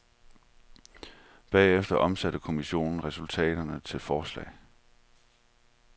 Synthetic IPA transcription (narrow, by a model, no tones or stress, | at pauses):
b̥ɛːefd̥ɐʔɒ̽msæɾ̥əkʰo̝miɕo̝̰ːnn̩ʁɛsult͡sʰɛ̰ːɾ̥ɐnət͡sʰe̝lfɒːslɛ̰ːɪ